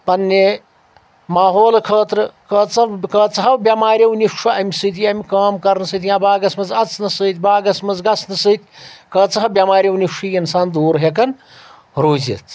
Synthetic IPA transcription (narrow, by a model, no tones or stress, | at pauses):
pɐnːe | maːɦoːlkʰɐːt̪ɾɨkɐːt͡sɐkɐːt͡sɐɦɐwbʲɐmaːɾjɐwnifʂuɐmʲisɨt̪̬ijɐmikaːmkɐɾnɨsɨt̪jãːbaːɡɐsmɐzɐt͡sʰnɐsɨt̪ʲbaːɡɐsmɐzɡɐsnɐsɨːt̪ʲkɐːt͡sɐɦɐbjɐmaːɾʲjɐwniʂɨinsaːnd̪uːɾɦekɐn | ɾoːzḭt̪